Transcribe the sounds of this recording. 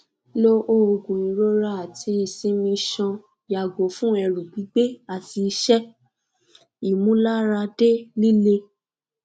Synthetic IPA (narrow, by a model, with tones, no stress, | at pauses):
lo˦ʔo˦o˧ɡũ˨ĩ˨˦ɾo˦ɾa˦a˨tʰi˧˦i˨sĩ˦mĩ˧ʃɔ̃˧ | ja˨ɡo˨˦fũ˦ɛ˧ɾũ˨ɡ͡bi˨˦ɡ͡be˦a˨ti˧˦ʃɛ˦ | i˨mũ˨˦la˦ɾa˧de˦nĩ˦le˧